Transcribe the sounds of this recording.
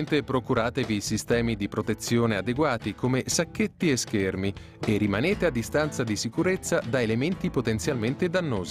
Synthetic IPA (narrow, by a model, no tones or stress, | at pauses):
nt̪epɾokuɾaːt̪evisist̪ɛːmid̪ipɾot̪et̪sːjoːnead̪eɡwaːt̪ikomesakːet̪ːieskermi | erːimaneːt̪ead̪ːist̪ant̪sad̪isikuɾet̪sːad̪aelement̪ipot̪ent̪sjalment̪ed̪anːoːzi